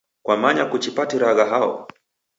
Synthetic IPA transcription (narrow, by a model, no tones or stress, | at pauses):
kwamaɲakut͡ʃipatiɾaɣaɦaɔ̰